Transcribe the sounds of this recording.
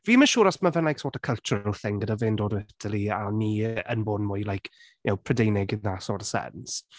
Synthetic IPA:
viːməʃuːɾɔsməvɛnlajksɔːtə̥kʰəlˠt͡ʃʊɾəlˠθɪŋɡədavɪndoːdətʰəlˠianiːə̰nboːdnmʊːjlajkʰ | nowpʰr̥ədejnɪɡɪnasɔrsɛ̰ns

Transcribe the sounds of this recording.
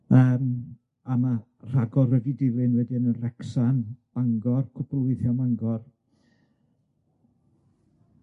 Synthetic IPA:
əːm | ama | r̥aɡɔrədidɪlɨnwɛdiənənrɛksanb̥aŋɡɔrkʰʊpʰlˠʊɨθjɔmaŋɡɔr

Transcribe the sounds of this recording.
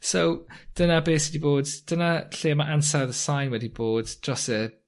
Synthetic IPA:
sowd̥ənabeːsɛdiboːdd̥ənaɬeːmaʔansaðəsajnwɛdiboːd̥d͡ʒ̥ɔsɛ

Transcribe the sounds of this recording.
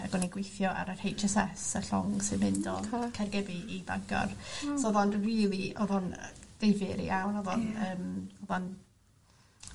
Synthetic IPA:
a̰ɡ̥wɛniɡwejθjɔʔa̰ɾər̥hejt͡ʃɛsɛsəɬɔ̰ŋsɨdmɪndɔ̰kʰɛrɡɛbiiba̰ŋɡɔ̰rsɔðɔnriːlˠiɔðɔnd̥evɨɾḭʔawnɔðɔnəːmɔðɔn

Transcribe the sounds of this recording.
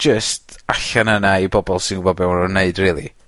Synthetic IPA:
d͡ʒəstʰaɬanənaibɔbɔlˠsɪnɡʊbɔbɛwnɔneɨdriːlˠḭ

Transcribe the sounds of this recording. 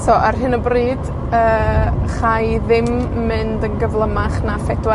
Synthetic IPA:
sɔʔarɦɨnəbriːd̥ | əːχajðɪmː | ɨndənɡəvlˠəmaχnafɛdwa

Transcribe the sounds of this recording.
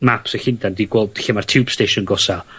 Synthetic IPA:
mapsɛxɪndandiɡwɛlˠdximartʰuːb̥steːʃɔnɡɔsa

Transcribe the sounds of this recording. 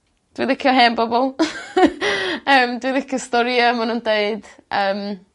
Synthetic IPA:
d̥wiðɪkʰjɔɦɛːnbɔbɔlˠ | əːmdwiðɪkʰjɔstɔɾjəmanuːndeɨd̥ʔəːm

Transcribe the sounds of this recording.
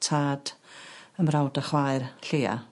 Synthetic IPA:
tʰaːd̥əmrawdaχwajrɬeːa̰

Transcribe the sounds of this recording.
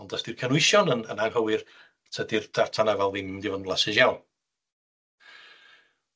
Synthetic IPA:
ɔndəsd̥irkʰənɪɨʃjɔnənənaɡhəwɨr | tʰədɪrd̥artʰanavɛlˠvɪmdɪvənvlˠasɨʃjawn

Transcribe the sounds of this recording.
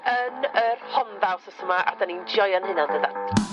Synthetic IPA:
ənərhɔnðawsəsəmaʔa̰danindjɔjanhɪnandəðatʰ

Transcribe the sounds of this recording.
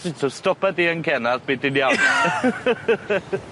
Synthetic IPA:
ɪtʰostɔpadiːənkʰɛnaðb̥iːdɪnjawn

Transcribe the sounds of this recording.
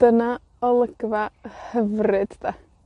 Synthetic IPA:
d̥əna | ɔlˠəɡ̥vahəvrɨd̥da

